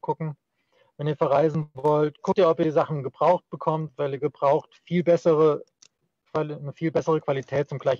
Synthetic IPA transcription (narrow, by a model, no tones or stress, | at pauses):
kʰʊkŋ̩ | vɛniːɐfɛɐʁaɪzn̩vɔltkʰʊktiːɐɔpiːɐzaχn̩ɡəbʁaʊxt̚b̥əkʰɔmtv̥aɪliːɐɡəbʁaʊxtfiːlbɛsəʁə | kvanəfiːlbɛsəʁ̞əkv̥alitʰɛːt̚t͡sʊmɡlaɪç